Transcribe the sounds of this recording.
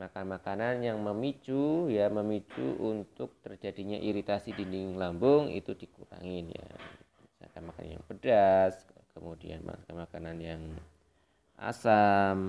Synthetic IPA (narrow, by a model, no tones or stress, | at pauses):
makanmakananjaŋməmit͡ʃujaməmit͡ʃṵʔunt̪ʊk̚t̪ərd͡ʒadiɲaʔiɾit̪asidindɪŋlambʊŋḭt̪udikuɾa̰ŋɪnja̰misa̰kanmaka̰na̰nja̰ŋbədas | kəmudia̰nma̰kanmakananjaŋ | ʔa̰sam